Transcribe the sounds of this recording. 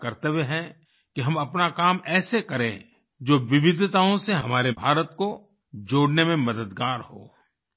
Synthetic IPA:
kɐɾt̪eweɦɛ̃ | kiɦɐmɐpnakaːmɛːsekɐɾẽ | d͡ʒoːʋɪʋɪd̪ʱt̪aːõseɦɐmaːɾebʱaːɾət̪ko | d͡ʒoːɽnemẽmɐd̪əd̪ɡaːɾho̰ː

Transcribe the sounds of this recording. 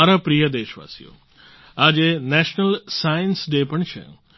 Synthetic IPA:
aɾapɾijəd̪eːʃʋa̰sḭjo̰ | ad͡ʒenɛʃnəlsajənsɖepəɳt͡ʃʰḛ

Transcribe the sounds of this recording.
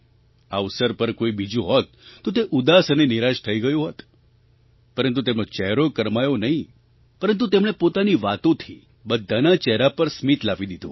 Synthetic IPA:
aʋsəɾpəɾkoibid͡ʒũɦɔt̪ːot̪eʔud̪asəneniɾaʃt̪ʰəiɡəjũɦɔt̪ | pəɾənt̪ut̪emnot͡ʃɛɦɾokəɾmajonəɦĩ | pəɾənt̪̬ut̪emɽ̃epot̪aniʋat̪õt̪ʰi | bəd̪ʱːanat͡ʃɛɾapəɾsmit̪laʋid̪id̪ʱṵ̃

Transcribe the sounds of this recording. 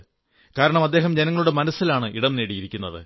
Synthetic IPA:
kaːɾɐɳɐmɐd̪ːe̞ːɦɐmd͡ʑenɐŋːɐɭuɽe̞mɐnɐsːilaːɳɨʔiɽɐmne̞ːɽijiɾikʲːunːɐðɨ̰

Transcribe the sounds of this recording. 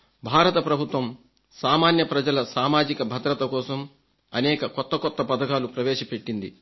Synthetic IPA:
bʱaːɾɐt̪ɐpɾɐbʱut̪ʋɐm | saːmaːnjɐpɾɐd͡ʒɐlɐsaːmaːd͡ʒikɐbʱɐd̪ɾɐt̪ɐkɔːsɐm | ɐnɛːkɐkɔt̪ːɐkɔt̪ːɐpɐd̪ɐkaːlupɾɐʋɛːʃɐpe̞ʈːind̪ḭ

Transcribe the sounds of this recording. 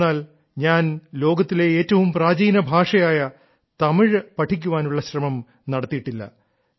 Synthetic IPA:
aːl | ɲaːnlo̞ːɡɐt̪ːile̞eːtːɐʋumpraːd͡ʑiːnɐbʱaːʂɐjaːjɐ | t̪ɐmiɻpɐʈʰikʲːuʋaːnuɭːɐɕrɐmɐm | nɐɽɐt̪ːijiʈːilːɐ̰

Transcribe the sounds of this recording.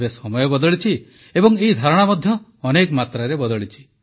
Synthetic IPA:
besɔmɔjɔbɔd̪ɔɭit͡ʃʰi | ebɔŋeɦid̪ʱaɾɔɽ̃amɔd̪ʱjɔːnekɔmat̪ɾaɾebɔd̪ɔɭit͡ʃʰi̥

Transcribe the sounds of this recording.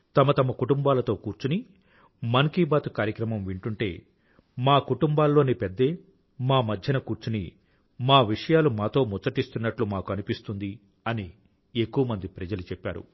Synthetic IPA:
t̪ɐmɐt̪ɐmɐkuʈumbaːlɐt̪o̞ːkuːɾt͡ʃuni | mɐnkiːbaːt̪ukaːɾjɐkɾɐmɐmʋiɳʈuɳʈe̞ː | maːkuʈumbaːlːo̞ːnipɛd̪ːe̞ː | maːmɐd̪ʱjɐnɐkuːɾt͡ʃunḭ | maːʋiʂɐjaːlumaːt̪o̞ːmɔt͡ʃːt͡sːɐʈist̪unːɐʈlumaːkuɐnipist̪und̪i | ɐni | ekːuʋɐmɐnd̪ipɾɐd͡ʒɐlut͡ʃɛpːa̰ːɾṵ

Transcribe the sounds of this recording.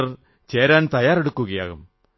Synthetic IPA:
r | t͡ɕe̞ːɾaːnt̪ɐjaːreɽukːuɣɐja̰ːɣum

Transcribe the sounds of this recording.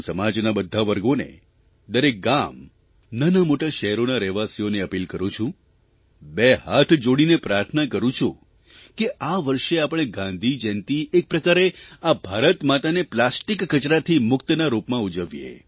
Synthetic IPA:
səmad͡ʒnabəd̪ʱaʋəɾɡonḛ | d̪əɾek̚ɡam | nanamoʈaʃəɦɾonaɾɛʋasioneəpilkəɾũt͡ʃʰũ | beɦat̪ʰd͡ʒoɽinepɾaɾt̪ʰənakəɾũt͡ʃʰũ | keʔaʋəɾʃeapɽ̃eɡãnd̪ʱid͡ʒɛ̃nt̪iʔek̚pɾəkaɾeabʱaɾət̪mat̪aneplasʈikːət͡ʃɾat̪ʰimʊkt̪ənaɾupmãud͡ʒəʋjḛ

